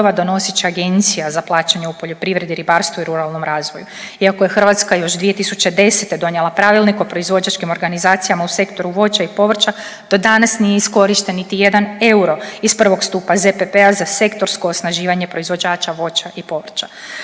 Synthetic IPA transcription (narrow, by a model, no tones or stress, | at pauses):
ʋad̪o̞no̞sit͡ʃiaɡe̞nt̪sijazaplˠaːt͡ʃaɲeupo̞ʎo̞pɾiʋɾe̞d̪iɾibaːɾst̪ʋuiɾuɾalˠno̞mɾaːzʋojuiakoje̞xr̩ʋat̪skajo̞ʒd̪ʋije̞t̪isut͡ʃed̪e̞se̞t̪e̞d̪o̞ɲelˠapɾaːʋilˠnikopɾo̞izʋo̞d͡ʑat͡ʃkimo̞ɾɡanizaːt̪sijamause̞kt̪o̞ɾuʋo̞t͡ʃaipo̞ʋr̩t͡ʃad̪̥o̞d̪anasnijeisko̞ɾiʃt̪e̞nːit̪ije̞d̪ane̞uɾo̞ispr̩ʋo̞kst̪uːpazepepeazase̞kt̪o̞ɾsko̞ːsnaʒiːʋaɲe̞pɾo̞izʋo̞d͡ʑaːt͡ʃaʋo̞t͡ʃaʔipo̞ʋr̩t͡ʃa